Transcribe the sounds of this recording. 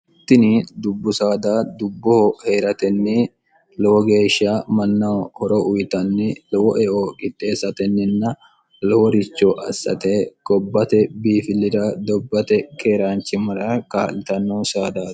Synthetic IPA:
t̪ːɪnɪd̪ʊbːʊsaːd̪aːd̪ʊbːɔhɔhe̞ːɾɐt̪ɛnːɪ | lɔwɔɡe̞ːʃːamɐnːɐwhɔɾɔʔʊjt̪ɐnːɪlɔwɔʔɛʔoːkʼɪt̪ʼːeːsːɐt̪ɛnːɪnːɐ | lɔwɔɾɪt͡ʃːɔʔɐsːɐ̰t̪eːkʼɔbːɐt̪ɛbiːfɪlːɪd̪ɐd̪ɔbːɐt̪ɛkeːɾaːnt͡ʃːɪmɐɾɐkaːlɪt̪ɐnːoːsaːd̪aː

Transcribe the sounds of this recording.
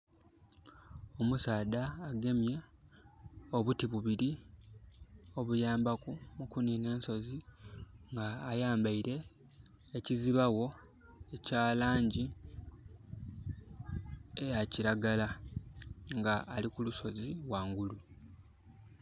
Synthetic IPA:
o̞musaːdaːɡe̞mja | oβutiβuβiɾi | o̞βujaːmbakumukunine̞ːnso̞ziŋɡaːjaːmbaiɾe̞ː | ciziβawo̞ | ecaːlaːɲɟi | ejaciɾaɡala | ŋɡaʔːlikuluso̞ziβwaːŋɡulu

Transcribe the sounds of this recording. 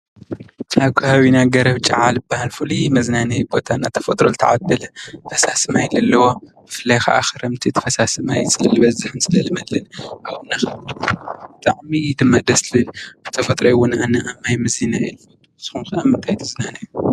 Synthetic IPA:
t͡ʃʼaβkʷʰahawinaɡɐɾɐβt͡ʃʼɐʕalɨbːahalfɨlimɐznanɐjbo̞t̪ʰanːat̪ʰɐ̥fɐt̪ʼɾolɨt̪ʰɐʕad̪ɐlɐfɐsasɨmajlɐlːɐwo | ɨfɨlajxa̰ʔa̰xɨɾɐmt̪ʰit̪ʰɐ̥fɐsasɨmajsɨlɨlɨβɐzɨħɨnsɨlɐlɨmɐlɨnʔawunːaxɐd̪ɨb̥ɨt̪ʼaʕmid̪ɨmːad̪ɐslɨlbɨ̥t̪ʰɐfɐt̪ʼɾojwʊnanɐʔamːajmɨzinaḭlu | z̥ɨxunxɐʔɐmːɨnt̪ʰajt̪ʰɐznanɐju

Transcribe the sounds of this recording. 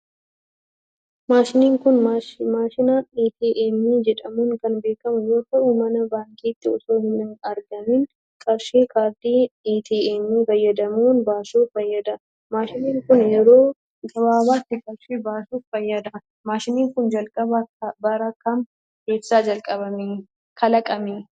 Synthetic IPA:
maːʃɪniːŋkʊnmaːʃɪnaːniːt̪iːʔeːmːiːd͡ʒɛᶑɐmuːŋkɐnbe̞ːkɐmʊjoːkɐumɐnɐbaːŋkʼiːt̪ːɪɔsoːhɪnɪnɐɾɡɐmin | kʼɐɾʃeːkʰʼaːd̪iːiːt̪iːeːmːiːfɐjːɐd̪ɐmuːnbaːsuːfɐjːɐd̪ɐ | maːʃɪniːŋkʊnjɛɾoː | ɡɐbaːbaːt̪ːɪkʼɐɾʃeːbaːsuːffɐjːɐd̪ɐ | maːʃɪniːŋkʊnd͡ʒɐlkʼɐbɐbɐɾɐkːɐm | heːbsaːd͡ʒɐlkʼɐβɐme | kʰɐlɐkʼɐmiː

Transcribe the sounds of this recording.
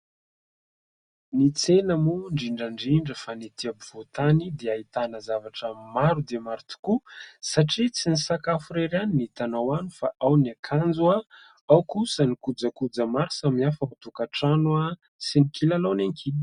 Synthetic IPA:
nit͡senamuɳɖ͡ʐiɳɖ͡ʐaɳɖ͡ʐiɳɖ͡ʐəfanit̪iabiv̥ot̪anid̪eait̪anəzavaʈ͡ʂəmaɾud̪emaɾit̪u̥kusaʈ͡ʂit͡sinisakafuɾeɾaninit̪anawanifaʔawniakʰand͡zua | awkusənikud͡zəkud͡zəmaɾisamnafəut̪ukaʈ͡ʂanua | sinikilaloneŋki

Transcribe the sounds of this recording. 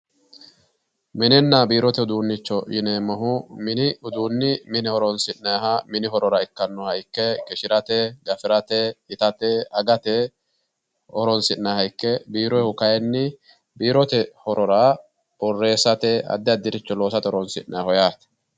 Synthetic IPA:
mɪnɛnːɐbiːɾɔt̪ɛʊd̪uːnːɪt͡ʃːɔʔɪnemɐɦʊmɪnɪʊd̪uːnːɪmɪnɛhɔɾɔnsɪnːɐɦɐmɪnɪɦɔɾɔɾɐɪkːɐnːɔhɐjkːɛkʼɪʃɪɾɐt̪ɛɡɐfɪɾɐt̪ɛɪt̪ɐt̪ɛɐɡɐt̪ɛ | ɔɾɔnsɪnːɐhɐjkːɛbiːɾɔjhʊkɐjɛnːɪ | biːɾɔt̪ɛhɔɾɔɾa | bɔrːe̞ːsɐt̪ɛɐ̰d̪ːɪɐd̪ːɪɾɪt͡ʃːɔlo̞ːsɐt̪ɛhɔɾɔnsɪ̰nnːʔɐhɔjaːt̪

